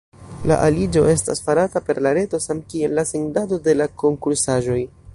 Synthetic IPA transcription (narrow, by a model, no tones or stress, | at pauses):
la̰ʔalid͡ʒo̞e̞sta̰sfaɾatape̞ɾlaɾe̞to̞samkie̞lːaseŋdado̞de̞lako̞ŋkuɾsaʒo̞j